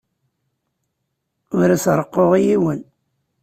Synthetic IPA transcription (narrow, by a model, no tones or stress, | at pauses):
ʊɾæsɾˤəqːoʁijiwən